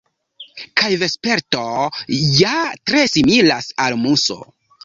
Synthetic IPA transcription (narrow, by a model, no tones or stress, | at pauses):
kajvespe̞ɾto̞jatɾe̞similasalmuso̞̰